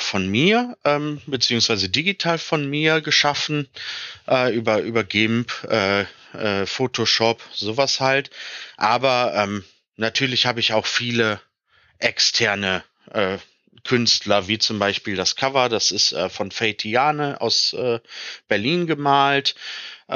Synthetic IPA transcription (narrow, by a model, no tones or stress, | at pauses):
fɔnmiːɐʔɛːmbət͡siːʊŋsv̥aɪzədiɡitʰaːlfɔnmiːɐɡəʃafn̩ʔɛːʔyːbɐʔyːbɐɡɪmpʔɛː | ʔɛːfoːtʰoʃɔpzoːvashaltʔaːbɐʔɛːm | natʰyːɐlɪçhaːbəɪçaʊxfiːlə | ʔɛkstʰɛɐnə | ʔɛː | kʰʏnstlɐviːt͡sʊmbaɪʃpiːldaskʰavɐdasɪstʔɛ̰ːfɔnfeɪtʰiaːnəʔa̰ʊsʔɛːb̥ɛɐliːnɡəmaːltʔ